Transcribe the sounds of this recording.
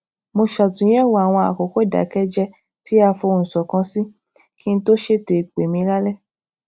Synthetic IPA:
mo˧ʃa˨tĩ˨˦jɛ˦wo˨a˨w̃ɔ̃˧a̰˨ko˨˦ko˦˨da̰˨˦kɛ˦d͡ʒɛ˧ | ti˦a˧fo˧n̩˨sɔ˨kã˧si˦ | ki˦n̩˦to˦ʃe˦to˨e˨k͡pe˨mĩ˧la˦lɛ˦˨

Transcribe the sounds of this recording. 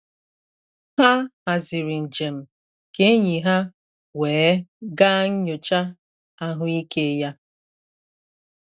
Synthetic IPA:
ha˦ha˨zi˨ɾi˨n̩˨d͡ʒe˨m̩˨ | ke˦ɲi˨ɦa˦ | weː˨˦ɡa˦ŋ̩˦ɲo˨t͡ʃa˦ | a˦ɦʊ˦i˦ke˦ja˦

